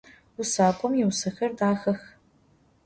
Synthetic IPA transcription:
usaːkʷʼɔmjɛwsɐxɐrdaːxɐx

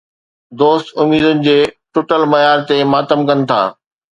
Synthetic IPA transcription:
d̪oːst̪ʊmiːd̪ʊnɪ̆d͡ʑeːʈʊʈəlmɐjaːɾt̪emaːt̪əmkɐnɪ̆t̪ʰa̰ː

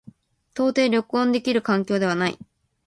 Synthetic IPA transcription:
t̪o̞ːt̪e̞ːɾʲjo̞kɯ̟õnd̪e̞kʲiɾɯ̟kãŋk̬ʲo̞ːd̪e̞β̞anaḭ

